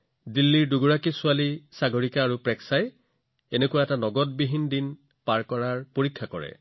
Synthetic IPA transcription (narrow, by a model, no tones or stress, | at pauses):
dilːiɹduɡuɹakisʊalisaɡʱoɹikaːɹupɹɛksaj | enekuwaɛtanɔɡɔt̚biɦindin | paɹkɔɹaɹpoɹikʰːakɔɹɛ̰